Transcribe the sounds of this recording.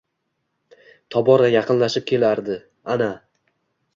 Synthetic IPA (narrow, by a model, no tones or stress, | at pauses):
t̪ʰɒbɒɾajɑqʰɨnlaʃɪp̚kʲʰe̞laɾd̪ɪ | ana